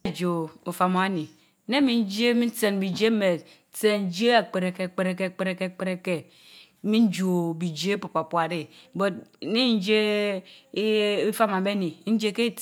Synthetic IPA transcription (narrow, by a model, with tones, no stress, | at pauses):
d͡ʒo˨o˨fa˨mo˨a˦ni˨˦ | ne˦mi˨n̩˦d͡ʒe˦mi˦n̩˦te˨nbi˨d͡ʒe˦m˦me˨˦ | te˦˨n̩˦d͡ʒe˦a˨k͡pe˨ɾe˨ke˨k͡pe˨ɾe˨ke˦˨k͡pe˦ɾe˨ke˦˨k͡pe˦ɾe˨ke˦ | mi˦n̩˦d͡ʒo˨bi˨d͡ʒe˦pu˨pa˨pu˨a˨ɾe˦bo˨t̚ni˦n̩˦d͡ʒe˦ | i˦fa˦ma˨me˦ni˨˦n̩˦d͡ʒe˦ke˦